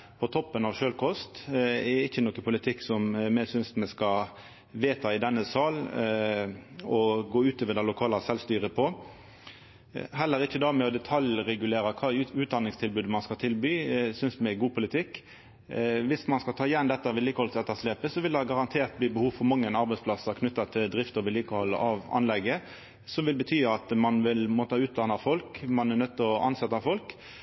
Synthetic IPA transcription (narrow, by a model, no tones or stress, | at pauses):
pʰɔt̪ʰɔpːənɑʋʃøːlkʰɔst̪ɛɪçːənɔkːəpʊlɪt̪ʰɪkːsɔmmɛsʏnsmɛskɑ | ʋeːt̪ʰɑɪd̪ɛnːəsɑːl | ɔɡoːʉːt̪ɔːʋəd̪ɛlʊkʰɑːlɑsɛlst̪yːɾəpʰɔ | ɦɛlːəɾɪçːəd̪ɑmɛɔd̪ɛt̪ʰɑljʁɛɡʉleːɾɑkʰɑːʉːt̪̚d̪ɑnːɪŋst̪ʰɪlbʉːd̪mɑnskɑt̪ʰɪlbyːsʏnsd̪mɛɡuːpʰʊlɪt̪ʰɪkː | ʋɪsmɑnskɑlt̪ʰɑːɪjɛnːd̪ɛt̪ːɑʋɪliːkəhɔlsɛt̪ːəsleːpəsɔʋɪld̪ɛhɑɡɑʁɑnt̪ʰeːʁt̪̚bliːbəhuːʋfɔmɑŋːənɑɾbɛɪspʰlɑsəʁkʰnʉt̪ːɑt̪ʰɪld̪ɾɪft̪ɔʋɪliːkəhɔlːə̰ʔɑʋɑ̰nlɛɡːə | sɔmʋɪlbət̪ʰyːɑt̪mɑnʋɪlmoːt̪əɑʉːt̪̚d̪ɑnɑfɔlkmɑnɛnœt̪ːəɔʔɑ̰nsɛt̪ːɑfɔlk